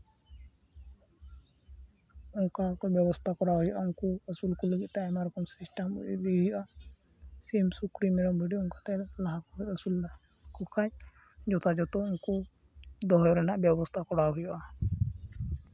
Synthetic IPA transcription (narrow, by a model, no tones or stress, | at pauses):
uŋkakɔbjɔbɔst̪ʰakɔɽaɦɔjɔʔauŋkuəsulkɔləɡit̪t̪aɛmaɾɔkɔmsisʈamṵʔd̪iɦujɔʔa | semsukɾimɛɽɔmbʱeɖiuŋkat̪ɛlaɦakɔɾəsul | kɔkʰaɲ | d͡ʒɔt̪ʰad͡ʒɔt̪ɔuŋkɔ | d̪ɔɦjɔɾɛnaʔbjɔbɔst̪ʰakɔɽaɦujɔʔa